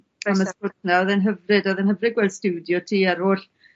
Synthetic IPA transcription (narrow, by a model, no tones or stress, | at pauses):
aməspʊtʰnaɔðɛnɦəvrɨdɔðɛnhɦəvrɨɡwɛldstɪwdjɔtʰiːaɾʊːɬ